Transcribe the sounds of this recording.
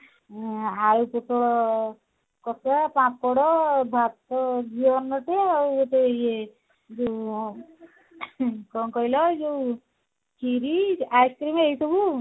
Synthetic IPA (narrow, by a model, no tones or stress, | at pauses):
aɾuput̪ʰɔɽɔ | kɔsʰapãp̚ːɔɽɔbʱat̪ɔd͡ʒiɔnːɔʈ̪eawet̪eje | d͡ʒew | kɔkɔjlɔd͡ʒew | t͡ʃiɾiajskɾimeejsɔbʱu